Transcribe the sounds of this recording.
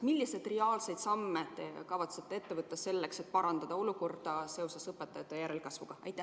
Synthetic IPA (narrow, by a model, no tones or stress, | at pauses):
milːise̞d̪̥reɑːlse̞jd̪sɑmːet̪ekɑvɑt̪set̪ːˑee̞t̪ːe̞vɤt̪ːˑese̞lːekse̞t̪̚pɑɾɑnd̪̥ɑd̪ɑo̞luko̞rd̪̥ɑse̞o̞sesɤpːet̪ːˑɑjɑt̪ːˑejæɾelkɑsvuɡ̥ɑɑ̰jt̪ːˑæ